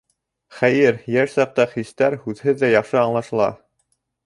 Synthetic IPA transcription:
χæjɘɾjæʃsɑq̚t̪ɑχist̪æɾhʉðhɘðːæjɑχʃɤɑɴlˠɑʃɤ̆lˠɑ̰

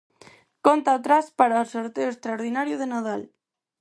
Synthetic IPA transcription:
kont̪aːt̪ɾaspaɾaosoɾt̪eoest̪ɾaoɾðinaɾjuð̞enað̞al

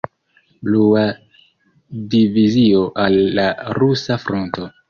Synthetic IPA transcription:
blua | divizio̞ʔalːaɾusafɾonto̞

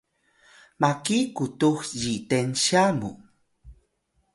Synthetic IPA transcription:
makikut̪uxjit̪enɕamṵ

